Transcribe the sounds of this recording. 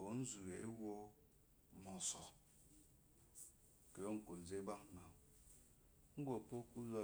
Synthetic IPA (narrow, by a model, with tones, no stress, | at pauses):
o˨˦n̩˦zu˨e˨˦wo˦ | mɔ˨sɔ˨ | ke˨jo˦ŋ̩˨ko˨n̩˨d͡ze˦ba˦kna˨ | ŋ̩˦ɡo˨po˦ku˦za˦